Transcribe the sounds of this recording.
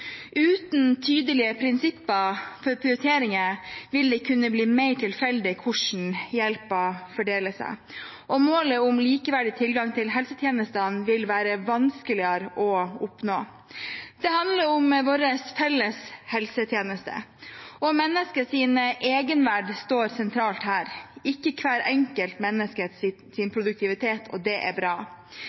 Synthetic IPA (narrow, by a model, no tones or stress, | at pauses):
ʔʉːt̪nt̪ʰyːd̪əlɪəpʰɾɪnsɪpːəfɔɾpʰɾɪʊɾt̪ʰeːɾɪŋəʋɪld̪ɛkʰʉnːəbliːmeɪʈʰɪlfɛld̪ɪkʰʊʂɳ̩jɛlpɔfɔɖeːləsæ̰ | ʔɔmoːləʊmliːkəʋæɖɪt̪ʰɪlɡɑŋt̪ʰɪlɦɛlsət̪ʰjeːnəst̪ənʋɪlʋæːɾəʋɑnskəlɪəɾɔʊpnoː | d̪̥ɛhɑnd̪ləɾʊmʋoːɾəsfɛlːəshɛlsət̪ʰjeːnəst̪ʰə̰ɔmɛnːəskəsiːnʔeːɡənʋæɖst̪oːɾsɛnt̪ʰɾɑːlt̪hæːɾɪkːəkʰʋæːɾɛŋkəlt̪mɛnːəskəs | sɪnpʰɾʊd̪ʉk̚t̪ʰɪʋɪt̪ʰeːt̪ʰɔ̰d̪ɛʔæ̰bɾɑː